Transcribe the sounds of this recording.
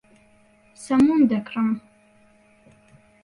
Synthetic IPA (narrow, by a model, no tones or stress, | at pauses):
sɐmund̪ɐkʰrɐm